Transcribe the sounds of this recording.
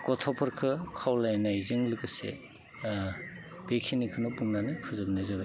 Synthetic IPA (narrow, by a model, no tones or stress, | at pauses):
kɔtʰɔpʰɔɾkʰɯkʰawlajnajzɯŋlɯkɯsḛ | b̥ekʰinikʰɯnɔpuŋnanɯpʰɯzɯb̚nɯzɯbaj